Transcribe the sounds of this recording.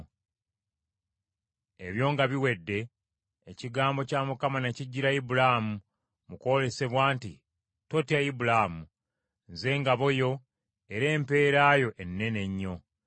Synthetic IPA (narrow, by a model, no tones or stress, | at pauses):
e̞βjo̞ːŋɡaβiwe̞dːe̞ː | ciɡaːmbo̞camukamaneciɟːiɾaibulamu | muko̞le̞se̞βwaːnti | to̞tiaibulamu | nze̞ːŋɡaβo̞jo̞ | eɾe̞ːmpe̞ːɾaːjo̞ʔenːe̞ne̞ɲːo̞